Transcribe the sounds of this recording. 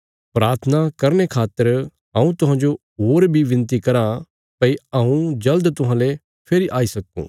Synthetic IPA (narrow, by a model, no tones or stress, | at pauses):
pɾaːɾt̪ʰənakɐɾnekʰaːt̪ːəɾ | ãũt̪ʊɦãːd͡ʒo | ɦoːɾbʱiʋɪ̃nt̪ikɐɾa | pɐiɐũd͡ʒɐld̪t̪ʊɦãːle | pʰeːɾiʔaːisɐkːṵ̃ː